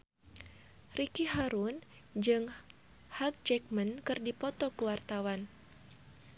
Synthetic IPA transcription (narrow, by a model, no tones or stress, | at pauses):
rʔikiɦaɾun | d͡ʒɨŋ | hak̚d͡ʒɛk̚mənkɨrdipɔt̪ɔkəwart̪awan